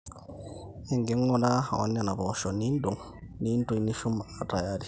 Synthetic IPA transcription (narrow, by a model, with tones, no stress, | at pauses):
ɛ˨ŋɡɛ˦ŋːɔna˦ha̰˨wa̰˦nːa˨na˨bɔʃɔnindu˨ŋ | nintu˨ni˦ʃu˦maata˨jaɾi